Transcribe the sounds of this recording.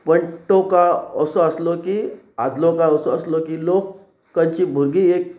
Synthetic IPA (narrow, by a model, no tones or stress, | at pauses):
pəɳʈokaəsɔəslɔki | ad̪lokaəsɔəslɔkilok | kːaɲt͡ɕiːbʱuɾɡiek̚